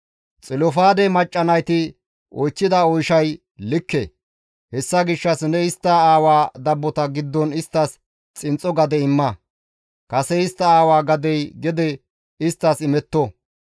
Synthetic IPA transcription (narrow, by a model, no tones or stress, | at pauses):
t͡sʼɪlɔfaːd̪ɛmɐt͡ʃʼːɐnɐjt̪ɪ | ʔɔjt͡ʃːɪd̪ɐɔjʃɐj | lɪkːɛ | hɛsːɐɡɪʃːɐsnɛɪst̪ːɐaːwaːd̪ɐbːɔt̪ɐɡɪd̪ːɔnɪst̪ːɐs | t͡sʼɪnt͡sʼːɔɡɐd̪ɛɪmːɐ | kɐsɛɪst̪ːɐaːwaːɡɐd̪ɛjɡɛd̪ɛ | ɪst̪ːɐsɪmɛt̪ːɔ